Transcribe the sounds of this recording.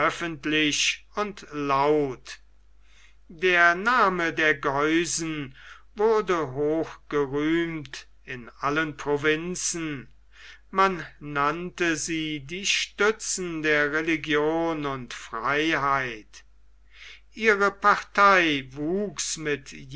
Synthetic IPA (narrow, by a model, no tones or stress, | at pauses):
œfəntlɪɕ | ʊntlaʊt | deːɐnaːmədeːɐɡɔʏzn̩ | vʊɐdəɦoːxɡ̥əʁyːmt | ɪnʔalənpʁovɪnsn̩ | manːantəziːdiːʃtʏt͡sn̩deːɐʁeliɡjoːnʊntfʁ̥aɪɦaɪt | ʔiːʁəpaʁtʰaɪvuːksmɪtj